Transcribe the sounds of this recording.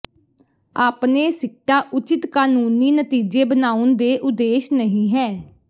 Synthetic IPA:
aːpneːsɪkʈaːʔʊt͡ʃɪt̪kaːnuːniːnət̪iːd͡ʒeːbənaːʊnd̪eːʔʊd̪eːʃnəɦĩːɦɛː

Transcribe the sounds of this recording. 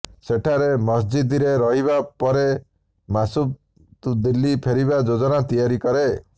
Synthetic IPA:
seʈʰaɾemɔsd͡ʒid̪iɾeɾɔɦiβapɔɾe | masu | t̪ud̪ilːipʰeɾiβad͡ʒod͡ʒɔnat̪ijaɾikɔɾe

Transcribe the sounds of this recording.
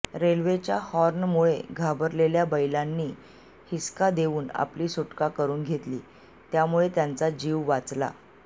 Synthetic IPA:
ɾelʋet͡ɕjahɔɾnmuɭeɡʱabəɾleljabəjlanːiː | hiskad̪eʋuːna̰pliːsuʈkakəɾuːnɡʱet̪liː | t̪jamuɭet̪jant͡sad͡ʑiʋʋːat͡sla̰

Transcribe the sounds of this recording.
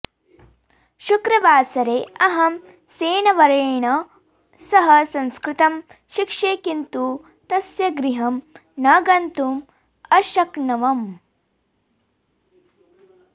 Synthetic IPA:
ʃukɾɐʋaːsɐɾeːɐɦɐm | seːnɐʋɐɾɐːɳɐ | sɐɦɐsɐ̃nskɾɪt̪ɐm | ʃikʂeːkint̪uː | t̪ɐsjɐɡɾiɦɐmnɐːɡɐnt̪um | ɐʃɐknɐʋɐm

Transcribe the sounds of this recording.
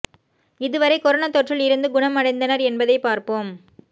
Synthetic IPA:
ɪðɯʋɐɾɐɪkɔɾɐnɐt̪ːɔʈrɪlɪɾɯnd̪ɯɡʊɳɐmːɐɽɐɪnd̪ɐnɐɾɛnbɐðɐɪpaːɾpoːm

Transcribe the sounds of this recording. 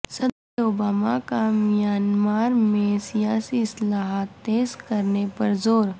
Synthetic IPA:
səd̪ɾobaːmakamijaːnmaːɾmẽsijaːsiɪslaɦat̪ːeːzkəɾnepəɾzoːɾ

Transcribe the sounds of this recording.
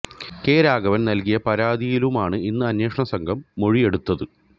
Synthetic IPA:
ke̞ːɾaːɡɐʋɐnnɐlkijɐpɐɾaːd̪ijilumaːɳɨinːɨɐnjeːʂɐɳɐsɐŋɡʱɐmːo̞ɻije̞ɽut̪ːɐðɨ

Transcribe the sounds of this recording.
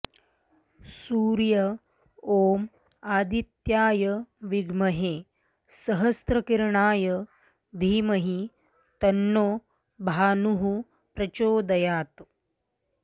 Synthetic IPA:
suːɾjɐ | oːm | aːd̪it̪jaːjəʋiɡmɐɦe | sɐɦɐst̪ɾɐkiɾɳaːjɐ | d̪ʱiːmɐɦi | t̪ɐnːoː | bʱaːnuɦu | pɾɐt͡ʃoːd̪ɐjaːt̪

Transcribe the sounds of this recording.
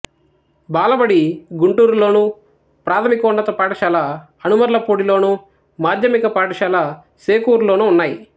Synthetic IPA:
baːlɐbɐɽiɡuɳʈuːɾulo̞ːnuː | pɾaːt̪ʰɐmikɔːɳɖɐt̪ɐpaːʈɐʃaːlɐ | ɐnumɐɾulɐpoːɽilo̞ːnuː | maːd̪ʱjɐmikɐpaːʈɐʃaːlɐ | seːkuːɾlo̞ːnuːnːaːji

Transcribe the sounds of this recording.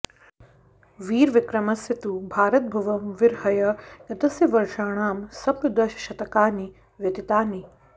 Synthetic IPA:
ʋiːɾʋɪkɾɐmɐsjɐt̪ubʱaːɾɐt̪̚bʱɐʋɐmʋɪɾhɐjɐjɐt̪ɐsjɐʋɐɾʃaːɳaːmsɐpjɐd̪ɐʃɐ̥ʃɐt̪ɐkaːni | ʋjɐt̪it̪aːni

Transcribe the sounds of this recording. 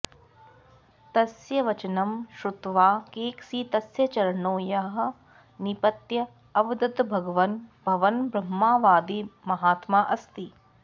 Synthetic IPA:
t̪ɐsjɐʋɐt͡ʃɐnɐmʃɾut̪ʋaːkeːksiːt̪ɐsjɐt͡ʃɐɾɐɳoːjaːɦɐ̆ | nipɐt̪jɐ | ɐʋɐd̪ɐd̪bʱɐɡɐʋɐnbʱɐʋɐnbɾɐmːaːʋaːd̪imɐɦaːt̪maːʔɐst̪i

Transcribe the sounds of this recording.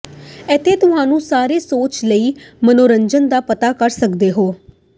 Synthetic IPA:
ɛːt̪ʰːeːt̪ʊɦãːnũːsaːɾeːsoːt͡ʃləiːmənoːɾəɲd͡ʒənd̪aːpət̪aːkəɾsəkd̪eːɦoː

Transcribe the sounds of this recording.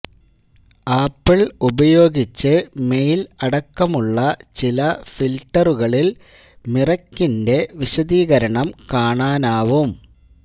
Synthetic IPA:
aːpːiɭubɐjo̞ːɡit͡ɕːɨme̞jilɐɽɐkːɐmuɭːɐt͡ɕilɐfilʈːɐruɣɐɭil | mirɐkːinde̞ʋiɕɐd̪iːɣɐɾɐɳɐmkaːɳaːnaːʋum

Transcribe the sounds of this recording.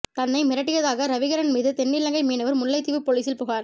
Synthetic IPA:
t̪ɐnːɐɪmɪɾɐʈːɪɣɐðaːɣɐɾɐʋɪɣɐɾɐnmiːðɯt̪ɛnːɪlːɐŋɡɐɪmiːnɐʋɐɾmʊɭːɐɪt̪ːɪʋɯpoɭiːsɪlpʊːɣaːɾ

